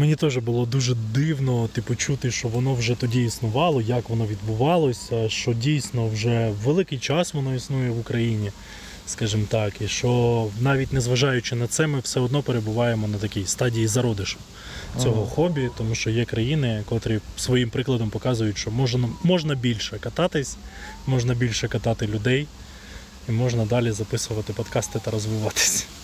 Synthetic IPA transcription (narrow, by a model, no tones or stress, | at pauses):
menʲit̪ɔʒɛbʊlˠɔd̪uʒɛd̪ɪwnɔt̪ipʊt͡ʃut̪ɪʃt͡ʃɔʋɔnɔwʒɛt̪ɔdʲiːsnʊʋɑlˠɔjɐkʋɔnɔʋʲid̪bʊʋɑlˠɔsʲɐʃt͡ʃɔdʲijsʲnɔwʒɛʋelˠɪkɪjt͡ʃɑsʋɔnɔisnujɛʋʊkɾɐjinʲi | skɑʒɪmt̪ɑkiʃt͡ʃɔnɑʋʲitʲnɛzʋɐʒɑjʊt͡ʃɪnɐt̪sɛmɪwsɛɔd̪nɔpeɾe̞bʊʋɑjemɔnɐt̪ɐkʲijst̪ɑdʲijizɐɾɔd̪ɪʃɔ̥ | t͡sʲɔɦɔxɔbʲit̪ɔmuʃt͡ʃɔjɛkɾɐjinɪkɔt̪ɔɾʲisʋɔjimpɾɪklˠɐd̪ɔmpɔkɑzʊjʊtʲʃt͡ʃɔmɔʒnɐmɔʒnɐbʲilʲʃɛkɐt̪ɑt̪ɪsʲmɔʒnɐbʲilʲʃɛkɐt̪ɑt̪ɪlʲʊd̪ɛj | imɔʒnɐd̪ɑlʲizɐpɪsʊʋɐt̪ɪpɔd̪kɑst̪ɪt̪ɐɾɔzʋɪʋɑt̪ɪ̥sʲ